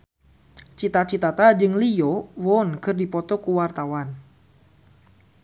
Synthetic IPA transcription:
t͡ʃit̪at͡ʃit̪at̪ad͡ʒɨŋliɔwɔnkɨrdipɔt̪ɔkuwart̪awan

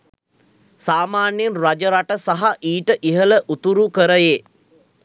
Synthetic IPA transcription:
saːmaːnjenrad͡ʒəɾaʈəsaɦaʔiːʈəʔiɦələʔut̪uɾukəɾəjeː

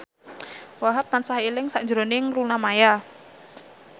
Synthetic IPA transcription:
waɦap̚ːansaɦilɪŋsaʔɲd͡ʒɾoneŋrunamaja

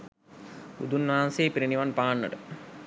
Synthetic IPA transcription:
ṵd̪unʋaɦanseːpiɾiniʋanpaːnːə̰ʈə

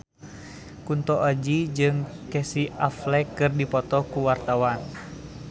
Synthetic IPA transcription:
kunt̪ɔʔad͡ʒid͡ʒɨŋkɛsiaflɛkːɨrdipɔt̪ɔkuwart̪awan

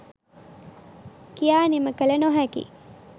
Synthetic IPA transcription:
kijaːniməkələnoɦækḭ

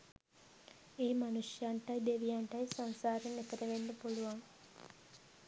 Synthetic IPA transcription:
eːmanusjaɳʈajd̪eʋijaɳʈajsansaːɾenːek̪əɾəʋenːəpuluʋaŋ

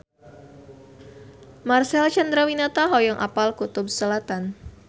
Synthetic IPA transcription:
marsɛlt͡ʃand̪ɾawinat̪aɦɔjaŋʔapalkut̪ʊb̚səlat̪an

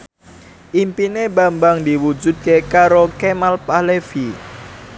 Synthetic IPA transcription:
ʔimpinebambaŋd̪iwud͡ʒṳt̪̚kekaɾokemalpalefi

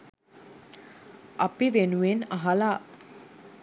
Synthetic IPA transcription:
ʔɐpiʋenuʋenaɦɐlaː

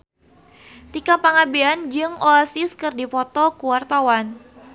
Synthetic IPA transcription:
t̪ikapaŋabiand͡ʒɨŋɔasɪskɨrdipɔt̪ɔkuwart̪awan

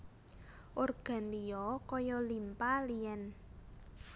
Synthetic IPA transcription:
ʔorɡ̥a̤nlijɔkɔjɔlimpaliɛn

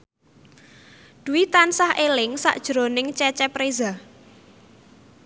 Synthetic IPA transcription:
d̪̥uwit̪ansahʔelɪŋsa̰ʔd̥ʒ̥ɾonɪŋt͡ʃɛt͡ʃɛpɾeza

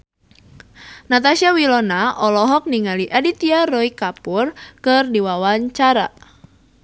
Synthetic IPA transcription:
nat̪asiawilɔnaʔɔlɔɦɔk̚niŋaliʔadit̪iarɔikapurkɨrdiwawaɲt͡ʃaɾa̰

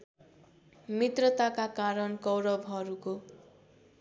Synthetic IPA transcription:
mit̪rʌt̪akakaɾʌnkʌwɾʌbʱɦʌɾuko

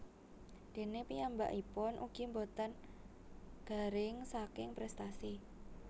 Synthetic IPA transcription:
d̪̥e̤nepijamba̰ʔipʊnʔṵɡ̥i̤mbot̪ən | ɡ̥a̤ɾɪŋsakɪŋpɾɛst̪asi

